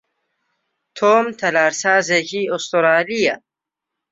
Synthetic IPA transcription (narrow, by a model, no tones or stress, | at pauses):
t̪ʰoːmt̪ʰɐlaːɾsaːzekiost̪oɾaːlija̰